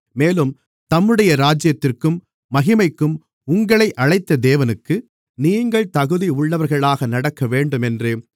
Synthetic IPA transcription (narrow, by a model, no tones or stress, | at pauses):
meːlɯm | t̪ɐmːɯɽɐjɐɾaːd͡ʒɪjɐt̪ːɪrkɯmː | ɐɣɪmɐɪkːɯm | ʊŋɡɐɭɐɪʔɐɻɐɪt̪ːɐd̪eːʋɐnɯkːɯ | niːŋɡɐɭt̪ɐɣɯðiʊɭːɐʋɐɾɣɐɭaːɣɐnɐɽɐkːɐʋeːɳɖɯmɛndreː